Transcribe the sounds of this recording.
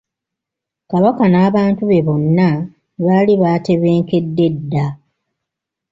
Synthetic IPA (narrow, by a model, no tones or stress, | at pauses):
kaβakanaːβaːntuβe̞βo̞nːa | βaːliβaːte̞βe̞ːŋke̞dːe̞dːa